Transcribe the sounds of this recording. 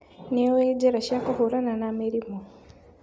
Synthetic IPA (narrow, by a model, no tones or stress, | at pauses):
neweɟeɾaʃakahoɾananameɾimo